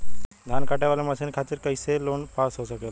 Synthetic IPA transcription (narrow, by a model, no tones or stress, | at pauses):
d̪ʱankaʈaʋaleməsenkʰat̪iːɾkəjseloɳpasɦosəkel